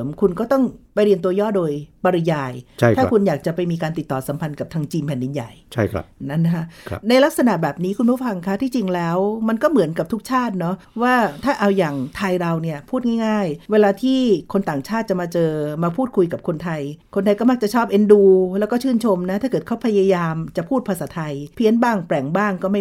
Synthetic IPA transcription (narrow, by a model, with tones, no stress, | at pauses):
mkʰu˧nkɔː˥˩t̪ɔ˥˩ŋpa˧jɾi˧ənt̪u˧əjɔː˥˩doː˧jpa˧ɾi˧jaː˧jʰa˥˩tʰaː˥kʰu˧njaː˨˩k̚t͡ɕa˨˩pa˧jmiː˧kaː˧nt̪i˨˩t̪ːɔː˨˩sa˩˦mpʰa˧nka˨˩p̚t̪ʰaː˧ŋt͡ɕiː˧mpʰɛː˨˩ndi˧nja̰˨˩jt͡ɕʰa˥˩jkʰa̰˦na˦˥na˧˥kʰa˦˥na˧jla˦˥k̚sa˧na˨˩ʔbɛː˨˩p̚niː˦˥kʰu˧npʰu˥˩fa˧ŋkʰa˦˥t̪ʰiː˥˩t͡ɕi˧ŋlɛː˦˥wma˧nkɔː˥˩mɯ˨˩˦ənka˨˩p̚t̪ʰu˦˥k̚t͡ɕʰaː˥˩t̪̚nɔ˦˥ | waː˥˩t̪ʰaː˥˩ʔa˧wjaː˨˩ŋt̪ʰa˧jɾa˧wni˥˩ɐpʰuː˥˩t̪̚ŋa˥˩jŋaː˥˩jweː˧laː˧t̪ʰiː˥˩kʰo˧nt̪aː˨˩ŋt͡ɕʰaː˥˩t̪̚t͡ɕa˨˩maː˧t͡ɕɤː˧maː˧pʰuː˥˩t̪̚kʰu˧jka˨˩p̚kʰo˧nt̪ʰa˧jkʰo˧nt̪ʰa˧jkɔ˥˩ma˦˥k̚t͡ɕa˨˩t͡ɕʰɔː˥˩p̚ʔe˧nduː˧lɛː˦˥wkɔː˥˩t͡ɕʰɯː˥˩nt͡ɕʰo˧mna˦˥t̪ʰaː˥˩kɤː˨˩t̪kʰa˦˥wpʰa˧ja˧jaː˧mt͡ɕa˨˩pʰuː˥˩t̪̚pʰa˧saː˩˦t̪ʰa˧jpʰi˦˥ənbaː˥˩ŋpɾɛ˨˩ŋbaː˥˩ŋkɔː˥˩ma˥˩